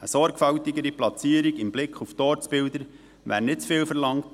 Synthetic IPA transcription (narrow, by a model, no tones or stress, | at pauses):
əsɔɾɡfawtɪɡəɾiplɑt͡siːəɾiɡɪmblɪkχuftɔːɾt͡sb̥ɪldəɾ | ʋæ̰ɾnɪtt͡sfɪːlfəɾlɑŋt